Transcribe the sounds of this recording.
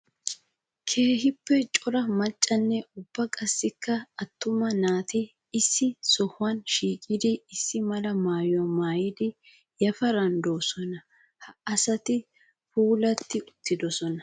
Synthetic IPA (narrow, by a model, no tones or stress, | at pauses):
kʰe̞ːɦɪpːɛt͡ʃʼɔɾɐmɐt͡ʃʼːɐnːɛʊb̥ːɐkʼɐsːɪkːɐɐt̪ːʊmɐnaːt̪ɪː | sːɪsɔhʊɐnʃiːkʼɪd̪ɪɪsːɪmɐlɐmaːjʊwɐmaːjɪd̪ɪ | jɐfɐɾɐnd̪oːsɔnɐ | hɐɐsɐt̪ɪ | fuːlɐt̪ːɪʊt̪ːɪd̪ɔsɔnɐ